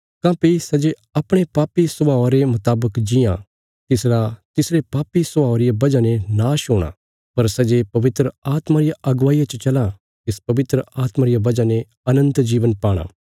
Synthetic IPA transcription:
kãːpisɐd͡ʒe | ɐpɽ̃epaːpisʊbaːɾemʊt̪aːbəkd͡ʒɪjã̰ | t̪ɪsɾat̪ɪsɾepaːpisʊbaːoɾɪjabɐd͡ʒanenaːʃɦoːɽ̃a̰ː | pɐɾsɐd͡ʒepɐʋɪt̪ɾəaːt̪maɾɪjaʔɐɡʋaːijat͡ʃt͡ʃɐlã | t̪ɪspɐʋɪt̪ɾəaːt̪maɾɪjabɐd͡ʒane | ɐnə̃nt̪d͡ʒiːʋənpaːɽ̃a̰ː

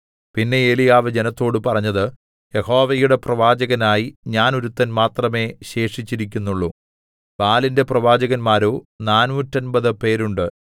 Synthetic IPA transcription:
pinːe̞elijaːʋed͡ʑenɐt̪ːo̞ːɽɨpɐrɐɲːɐðɨ | je̞ho̞ːʋɐjuɽe̞prɐʋaːd͡ʑɐɣɐnaːjiɲaːnuɾut̪ːɐnmaːt̪rɐme̞ːɕe̞ːʂit͡ɕːiɾikʲːunːuɭːu | ʋaːlinde̞prɐʋaːd͡ʑɐɣɐnmaːɾoːnaːnʋutːɐnbɐðɨpe̞ːɾuɳɖɨ

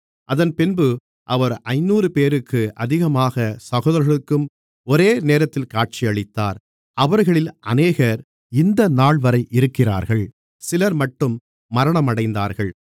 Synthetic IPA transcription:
ʔɐðɐnpɪnbɯ | ʔɐʋɐɾɐɪnːuːɾɯpeːɾɯkːɯʔɐðɪɣɐmaːɣɐsɐɣoːðɐɾɣɐɭɯkːɯm | ɔɾeːneːɾɐt̪ːɪlkaːʈ̚t͡ʃijɐɭɪt̪ːaːɾ | ɐʋɐɾɣɐɭɪlʔɐ̰neːɣɐɾ | ɪnd̪ɐnaːɭʋɐɾɐɪʔɪɾɯkːɪra̰ːɾɣɐɭ | sɪlɐɾmɐʈːɯmː | ɐɾɐɳɐmɐɽɐɪnd̪aːɾɣɐɭ

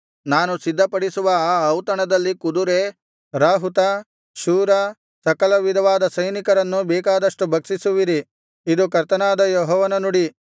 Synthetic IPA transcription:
naːnusid̪ʱːɐpɐɽisuʋɐaːwt̪ɐɳɐd̪ɐlːikud̪uɾeː | ɾaːɦut̪ɐ | ʃuːɾɐ | sɐkɐlɐʋid̪ʱɐʋaːd̪ɐsɐjnikɐɾɐnːubɛːkaːd̪ɐʂʈubʱɐksisuʋiɾi | id̪ukɐɾt̪ɐnaːd̪ɐjɔɦɔːʋɐnɐnuɽi

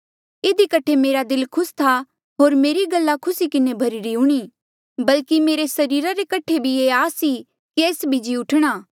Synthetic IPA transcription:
ɪd̪ikɐʈʰemeːɾad̪ɪlkʰʊst̪ʰa | ɦoːɾmeːɾiɡɐlːakʰʊsikɪnebʱɐɾiɾiʊɽ̃iː | bɐlkimeːɾesɐɾiːɾaɾekɐʈʰebʱieaːsi | kieːsbʱid͡ʒiʊʈʰɽ̃aː

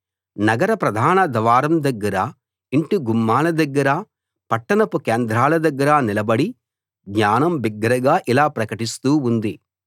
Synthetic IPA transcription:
nɐɡɐɾɐpɾɐd̪ʱaːnɐd̪ɐʋaːɾɐmd̪ɐɡːɐɾɐ | iɳʈuɡumːaːlɐd̪ɐɡːɐɾɐ | pɐʈːɐnɐpukeːnd̪ɾaːlɐd̪ɐɡːɐɾanilɐbɐɽi | ɡɲaːnɐmbiɡːɐɾɐɡaːʔilaːpɾɐkɐʈist̪uːund̪i

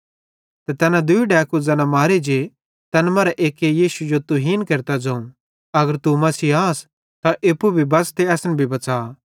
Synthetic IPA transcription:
t̪ɛt̪ɛːnãd̪ʊiɖɛːkud͡zɐːnãmaːɾed͡ʒe | t̪ɐnmɐːɾɛʔeːkejiːsud͡ʒot̪ʊɦiːnkeɾt̪ad͡ʒɐ̃ũ | ɐɡəɾt̪umɐsiaːs | t̪ãʔɪpːubʱibɐst̪eɐsnɛbʱibɐt͡saː

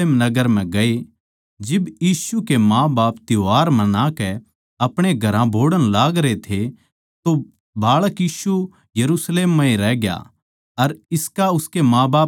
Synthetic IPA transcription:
eːmnɐɡəɾm̤ɛ̃ɡɐe | d͡ʒɪbjiːsukemãːbaːpt̪joɦaːɾmɐ̃nãkɛ | ɐpɽ̃eɡʱɐɾãbʱoːɽənlaːɡɾet̪ʰe | t̪o | bʱaːɭəkjiːsu | jɐɾuːsleːmːãːĩɾɛːɡja̰ | ɐɾɪskaʊskemãːbaː

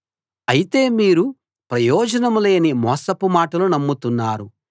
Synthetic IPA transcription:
ɐjit̪e̞ːmiːɾu | pɾɐjɔːd͡ʒɐnɐmule̞ːnimɔːsɐpumaːʈɐlunɐmːut̪unːaːɾu

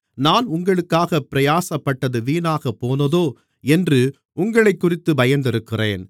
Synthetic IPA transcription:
naːnʊŋɡɐɭɯkːaːɣɐpːɪɾɐjaːsɐpːɐʈːɐðɯʋiːnaːɣɐpːoːnɐðoː | ɛndrɯ | ʔʊŋɡɐɭɐɪkːʊrɪt̪ːɯbɐjɐnd̪ɪɾɯkːɪreːn

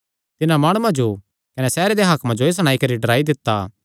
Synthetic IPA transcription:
t̪ɪnãmaːɽ̃uãd͡ʒo | kɐnɛsɛːɾed̪eɦaːkmãd͡ʒoes̬əɽ̃aːikɐɾiɖɐɾaːid̪ɪt̪ːa

